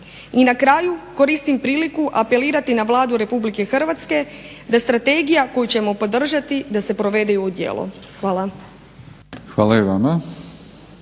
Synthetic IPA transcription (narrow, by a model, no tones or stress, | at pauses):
inakɾaːjuko̞ɾist̪impɾiːlikuʔape̞liːɾat̪inaʋlˠaːd̪uɾe̞publike̞xr̩ʋat̪ske̞ | d̪ast̪ɾat̪e̞ɡijako̞jut͡ɕe̞mo̞po̞d̪r̩ʒat̪id̪ase̞pɾo̞ʋe̞d̪ejuːd̪jḛːlˠʔo̰ | xʋaːlˠa | xʋaːlaiʋama